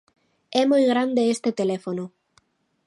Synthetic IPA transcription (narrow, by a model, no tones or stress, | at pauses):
ɛmojɣɾand̪eest̪et̪elefono